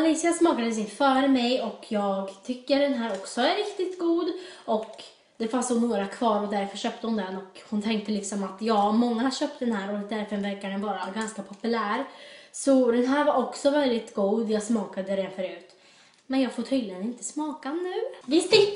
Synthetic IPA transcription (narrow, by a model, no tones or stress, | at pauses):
aliːsɪasmɑːkad̪əs̬ɪnfœːɾmɛjɔkʰjɑːɡt̪ʰʏkːəɖɛnɦæːɾɔksɔæɾɾɪkt̪ɪt̪ɡuːd̪ɔk | d̪ɛfansd̪oːnoːɾakʰvɑːɾɔd̪æɾfœɕœːp̚t̪əhʊnd̪ɛnːɔkhʊnt̪ʰɛŋk̚t̪əlɪksɔmat̪jɑːmɔŋːahaɕœːp̚t̪̚d̪ɛnhæːɾɔd̪æɾfœɾvɛɾkaɖɛnvɑːɾaɡanskapʰɔpɵlæːɾsɔd̪ɛnɦæːɾvaɾɔksɔvɛld̪ɪt̪ɡuːd̪jɑːɡsmɑːkad̪əɾɛnfœɾʉ̟ːt̪ | mɛnjɑːɡfoːʈʰyːd̪lɪənɪnt̪ə̥smɑːkanːʉ̟ːvɪst̪